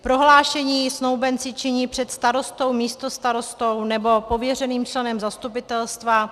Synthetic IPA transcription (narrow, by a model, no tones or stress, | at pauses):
pɾo̞ɦlaːʃɛɲiːsnowbɛnt͡sɪt͡ʃɪɲiːpr̝̥ɛt̪st̪aɾo̞st̪o̞wmiːst̪o̞st̪aɾo̞st̪o̞wnɛbo̞po̞vjɛrɛniːmt͡ʃlɛnɛmzast̪upɪt̪ɛlst̪va